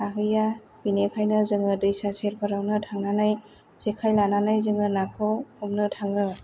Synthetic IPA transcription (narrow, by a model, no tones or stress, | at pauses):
aɦɯja | b̥inekʰajnɯzɯŋɯdɯjsaseɾpʰɯɾawnɯtʰaŋnanaj | z̥ekʰajlananajzɯŋɯnakʰɔɔmnɯtʰaŋɯ